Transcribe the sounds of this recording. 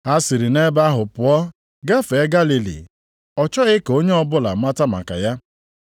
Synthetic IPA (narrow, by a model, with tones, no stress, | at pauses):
a˦si˨ɾi˨ne˦ba˦ɦʊ˨pʊ˨ɔ˦ | ɡa˦fe˨˦ɡa˦li˨lḭ˨ | ɔ˨t͡ʃɔ˦ɣɪ˦ko˦ɲe˦ɔ˦bʊ˦la̰˨˦ma˦ta˦ma̰˨ka̰˨ja˦